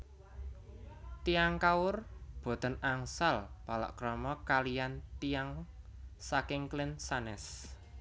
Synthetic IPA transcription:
t̪ijaŋkaʊrb̥o̤t̪ə̤naŋsalb̥a̤la̰ʔkɾɔmɔkalijant̪ijaŋ | sakɪŋklɪnsanɛs

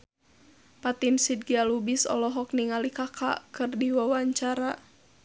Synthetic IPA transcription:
pat̪insid̚ɡialubisɔ̰lɔɦɔk̚niŋalikakʰa̰kɨrdiwawaɲt͡ʃaɾa

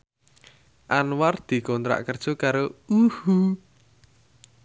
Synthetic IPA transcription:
ʔanward̪̥i̤kɔnt̪ɾa̰ʔkərd̥ʒ̥o̤kaɾouhu

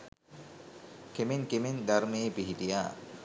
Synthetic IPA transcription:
kemeŋkemend̪aɾmejːpiɦiʈijaː

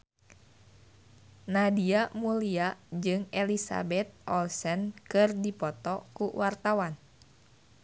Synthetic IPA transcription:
nadiamuliaʔd͡ʒɨŋɛlisa̰bɛt̪̚ʔɔlsənkɨrdipɔt̪ɔkuwart̪awan

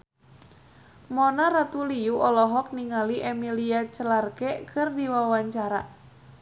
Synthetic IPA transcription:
mɔnaɾat̪ulijuʔɔlɔɦɔk̚niŋaliʔemiliat͡ʃəlarkɛkʰɨrdiwawaɲt͡ʃaɾa

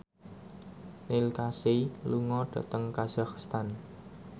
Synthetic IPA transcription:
nilkaseluŋɔɖ̥ä̤̰t̪əŋkaz̥akst̪an

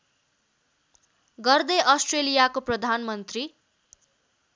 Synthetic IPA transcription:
ɡʌrd̪ʌʔʌsʈrelijakoprʌd̪ʱanmʌnt̪ri

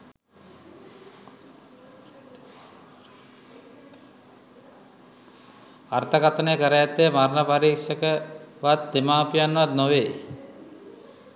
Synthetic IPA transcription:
art̪ʰəkat̪ənekəɾəjat̪ːejmaɾnəpaɾiːkʂəkəʋat̪ːemaːpijanːəʋad̪noʋeː

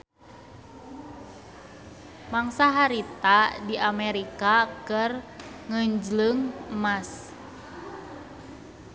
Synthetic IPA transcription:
maŋsaɦaɾit̪adiʔamɛɾikakɨrŋəɲd͡ʒləŋmas

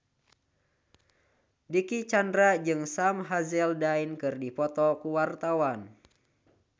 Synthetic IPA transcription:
dikit͡ʃandɾad͡ʒɨŋsamɦazɛldainkɨrdipɔt̪ɔkuwart̪awan

